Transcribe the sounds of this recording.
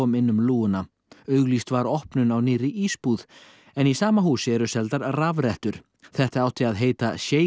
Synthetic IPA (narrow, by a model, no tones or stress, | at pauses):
ɔmɪnːʏmluːʏna | œɥɣlist̪vaɾɔhpnʏnawnɪːrɪʔispuːð | ɛnisaːmaɦuːsɪɛɾʏsɛlt̪aɾravɾɛht̪ʏɾ̥ | θɛht̪aaːwt̪ʰiaðɦeːjt̪a̰sjeː